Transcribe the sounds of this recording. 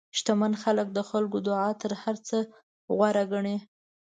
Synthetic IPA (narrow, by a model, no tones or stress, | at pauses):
ʃt̪amanxalək̚d̪əxalkod̪ʊʕɑt̪əɾhaɾt͡sə | ɣwaɾaɡaɳe